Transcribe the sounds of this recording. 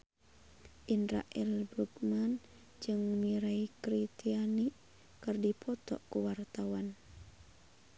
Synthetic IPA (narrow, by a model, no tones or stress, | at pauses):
ʔindɾa̰ʔɛlbɾukman | d͡ʒɨŋmiɾaikɾit̪iani | kɨrdipʰɔt̪ɔ̰ʔkuwart̪awan